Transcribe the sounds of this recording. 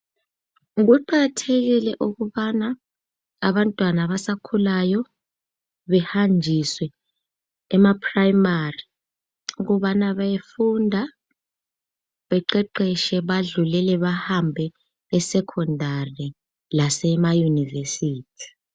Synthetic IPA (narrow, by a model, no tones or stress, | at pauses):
ɣ̬uǃaɣatʰɛɣilɛʔuɣuɓana | aβantʼwanaβasakʰulajɔ | βɛhand͡ʒʱiswɛː | mapʰʼrajmari | uɣ̬uɓanaβajefundʱa | ɓɛǃɛǃɛʃɛɓaɮulɛlɛβahambʱɛ | ɛsɛkʰɔndʱari | lasɛmajunivesiːtʰi̥